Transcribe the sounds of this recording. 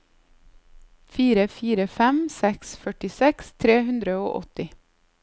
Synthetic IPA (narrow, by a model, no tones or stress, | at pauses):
fiːɾəfiːɾəfɛmsɛksfœʈɪsɛkst̪ʰɾeːhʉnd̪ɾəoːʔɔt̪ɪ